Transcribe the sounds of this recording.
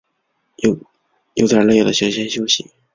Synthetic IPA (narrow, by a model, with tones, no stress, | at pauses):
jo˧˩ | jo˨˩ʊt̪ə˞˨˩lə˥jo˨˩ʊd̪ə˦ɕjɕjɛ˥nɕjo˥ʊɕḭ˨˦